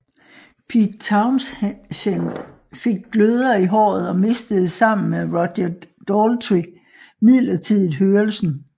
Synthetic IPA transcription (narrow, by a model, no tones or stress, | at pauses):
pʰid̥̚t͡sʰɑ̈ʊmsɕend̥ | fe̝ɡ̥̚ɡ̥løð̞ˠɐiɦɒ̰ːð̞̩ˠɒ̽me̝sd̥əð̩ˠsɑ̈m̰n̩meʁɒd̥ɐd̥ɒːlt͡sʰʁi | mið̰ˠlɐt͡sʰið̰ˠð̩ˠɦøːɐlsn̩